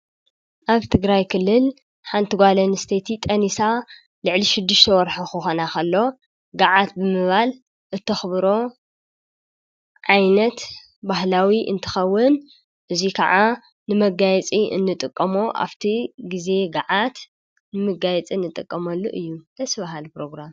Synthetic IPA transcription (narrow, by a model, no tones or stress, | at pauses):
ʔaβt̪ʰɨɡɾajkʰɨlːɨl | ħant̪ʰɨɡʷalɐnɨst̪ʰet̪ʰit̪ʼɐnisa | lɨʕliʃɨd̪ːɨʃt̪ʰɐwɔɾħoxɨxonakʰɐlːo̞ | ɡaʕat̪̚bɨmɨβal | ʔɨt̪ʰːɐxbɾo̞ | ʕajnɐt̪ | bahlawiʔɨ̰nt̪ʰɨ̥xɐwːɨn | ʔɨzikʰɐʕa | nɨmɐɡajɛt͡sʼiɨ̰nːɨt̪ʼɨkʼːɐmoʔa̰βt̪ʰiɡize̞ɡaʕat̪ | nɨmɨɡajɛt͡sʼinːɨt̪ʼɨkʼːɐmɐlːoʔɨjːud̪ɐsβaɦalpɾo̞ɡɾam